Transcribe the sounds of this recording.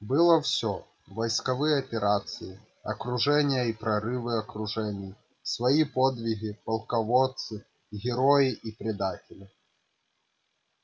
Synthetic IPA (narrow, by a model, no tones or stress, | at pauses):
bɨlˠəfsʲo | vɐjskɐvɨjəɐpʲɪɾat̪sɨjɪ | ɐkɾʊʐɛnʲɪjəipɾɐɾɨvɨɐkɾʊʐɛnʲɪj | svɐipod̪vʲɪɣʲɪpɐlˠkɐvot̪sɨ | ɣʲɪɾojɪʔipɾʲɪd̪atʲɪlʲɪ